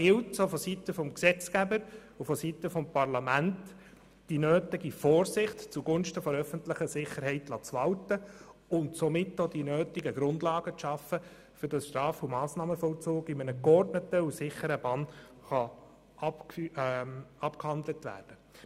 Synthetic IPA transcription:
ɡ̥ɪltsofɔsitəfɔmksɛt͡skæbəɾ | ufɔsitəfɔmpɑrlɑmænt | d̥inøːtɪɡifɔːɾsɪχtt͡suɡʊnʃtəfɔɾœfəntlɪχəsɪχəɾɦɛɪtlɑːt͡sʋɑltəʊntsɔmɪtːod̥inøːtɪɡəɡɾʊndlɑːɡət͡sʃɑfə | fʏɾd̥ɑsʃtɾɑːfumɑːsnɑːməfɔlt͡suːɡɪmənəkɔrtnətəusɪχəɾəb̥ɑn | χɑ | ɑp | ɑpkhɑndlətʋæ̰ːrd̥ə

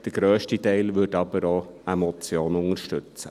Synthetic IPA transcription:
d̥əɾɡ̥ɾœːʃtitɛɪlʋɵtɑbəɾoemɔt͡sjoːnʊŋəɾʃtɵt͡sə̰

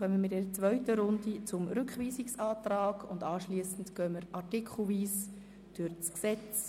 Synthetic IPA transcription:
χœməmɪtɛɾət͡sʋœʏɥtəɾʊndit͡sʊmɾʏkχʋiːsiksaːtɾaːɡʊndɑːʃliəsn̩dɡ̥œməɾɑɾtɪkʰχl̩viːs | d̥øɾt͡sksɛt͡s

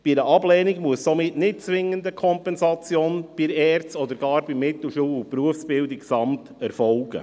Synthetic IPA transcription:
b̥iɾəʔɑblɛːnɪɡmuəssomɪtnɪt̚t͡sʋɪŋːəndəkʰɔmpɛnzɑt͡sjoːnb̥iɾɛːɾt͡sɔd̪əɾɡ̥ɑːɾbimɪtl̩ʃuːʊpɾuəfsb̥ɪldɪksɑmtɛɾfɔlɡ̥ə̰

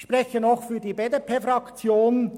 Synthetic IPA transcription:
ʃpʁɛçənɔχfyːdiːbeːdepʰeːfɾɑkt͡sjoːn

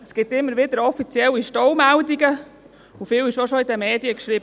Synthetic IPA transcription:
sɡ̥ɪtːɪmːəɾʋɪdəɾɔfit͡siɛliʃtɔwmæwdiɡə | ufiːwɪʃoʃoidɛmɛːdiəkʃriːbə

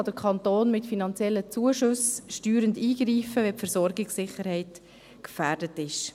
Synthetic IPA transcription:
ɑd̥əɾkʰχɑntoːnmɪtfinɑnt͡sjɛlːət͡suəʃʊsʃtyːɾəndiːɡ̥riːfəʋɛpfɛɾsɔɾɡɪksɪχəɾhɛɪt | kfæːɾdətɪʃ

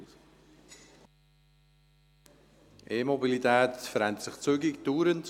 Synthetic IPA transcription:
ʔeːmɔbilit̪ɛːt̪fəɾɛntsɪχt͡syɡɪktuːɾənt

